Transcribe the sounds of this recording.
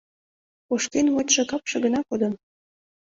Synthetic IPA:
oʃkenwot̪ʲʃĕkɑpʃɤ̆ɡə̆nɑkod̪ɤ̆n

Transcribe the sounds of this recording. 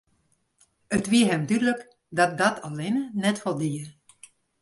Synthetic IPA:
ətʋiəɦɛmdydələk | dɔt̚dɔtʰalɪnənɛtfɔlˠdiə

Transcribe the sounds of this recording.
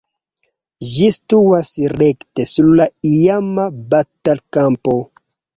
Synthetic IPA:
d͡ʒistuasɾektesuɾlaijamabatalkampo

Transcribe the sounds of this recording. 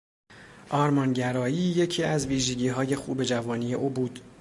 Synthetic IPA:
ʔɒːɾmɒːnɟæɾɒːjiːje̞cʰiːæzviːʒe̞ɟiːɦɒːje̞xṵːbe̞d͡ʒævɒːniːje̞ʔuːbuːd̪̥

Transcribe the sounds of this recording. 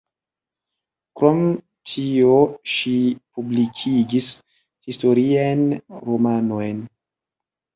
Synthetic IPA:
kɾom | tʰioʃipublikʰid͡ʒis | histo̞ɾianɾomanojn

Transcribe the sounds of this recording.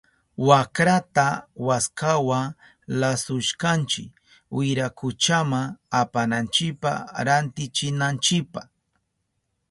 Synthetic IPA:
wakɾat̪awaskawa | lasʊʃkant͡ʃɪ̰k | wɪɾakʊt͡ʃamaapanant͡ʃɪpa̰ɾant̪ɪt͡ʃɪnant͡ʃɪpa

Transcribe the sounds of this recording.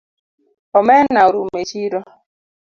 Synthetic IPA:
ɔmɛnaoɾum̩met͡ʃiɾɔ

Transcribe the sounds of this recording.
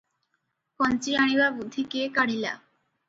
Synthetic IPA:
kɔnt͡ɕiaɽ̃ibabud̪ʱːikekaɽ̤ila̰

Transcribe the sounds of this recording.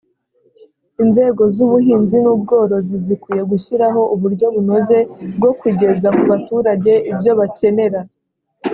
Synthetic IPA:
inze̞ːɡo̞zuβuɦiːnzinuːb̚ɡo̞ːɾo̞zizikuje̞ɡuʃiɾaɦo̞ʔuβuɾɟo̞βuno̞ze̞b̚ɡo̞kwiɟe̞zamuβatuːɾaɟe̞ʔibjo̞βace̞ne̞ɾa

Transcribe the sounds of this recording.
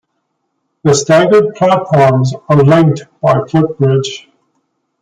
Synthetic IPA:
ðəstæ̃ŋɡəd̚pʰl̥atfʰɔɹmzəlɪ̃ŋk̚tb̥aɪpʰl̥ɪp̚b̥ɹɪdʒ̥

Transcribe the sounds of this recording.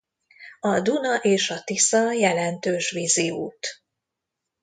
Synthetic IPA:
ɒd̪unɒʔeːʃɒt̪isɒjɛlɛnt̪øːʃʋiziṵːt̪

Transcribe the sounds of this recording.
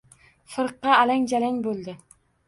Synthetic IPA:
fɨɾqːɑːlaŋʲd͡ʒalaŋbolˠd̪ɪ

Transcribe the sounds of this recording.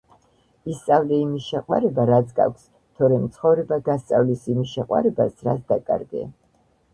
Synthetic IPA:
ist̪sʼavlɛimisʃɛqʼwa̰ɾɛbaɾat̪sʰɡa̰kʷʰs | t̪ʰɔɾɛmt̪sʰχɔvɾɛbaɡast̪sʼavlisimisʃɛqʼwa̰ɾɛbasɾat̪sʰd̪akʼa̰ɾɡɛ̰

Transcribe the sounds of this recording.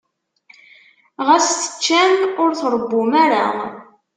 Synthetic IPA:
ʁæsθə̥t͡ʃːænʊɾθɾˤəbːʊmæɾa̰

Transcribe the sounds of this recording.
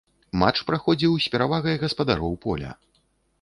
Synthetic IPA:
mat͡ʂpɾaxɔd͡zʲiwsʲpʲɛɾavaɣɐjɣɐspɐd̪aɾɔwpɔlʲɐ̰

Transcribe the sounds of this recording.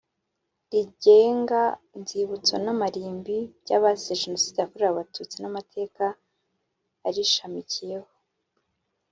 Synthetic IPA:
ɾiɟeːŋɡanziβut͡so̰namaɾiːmbiɟaβazeʒeno̞siːdeakoɾeɾaβatut͡sinamatʰe̞ːka | ɾiʃamicije̞ho

